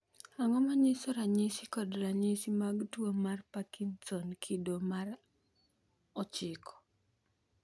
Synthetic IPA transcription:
aŋɔmaɲɪsɔɾaɲɪsikɔdɾaɲɪsimaɡtwomarpakintɔnkʰidomar | ɔt͡ʃɪkʰɔ̥

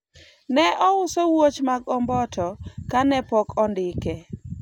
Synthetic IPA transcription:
nɛʔɔʊsowot͡ʃmaɡɔmbɔtʰɔkanɛpɔkɔndɪkɛ

